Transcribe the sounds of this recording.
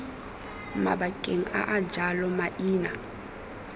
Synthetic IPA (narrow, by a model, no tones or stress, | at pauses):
ma̰bakʼeŋ̩a̰ʔad͡ʒalɔmaʔiːna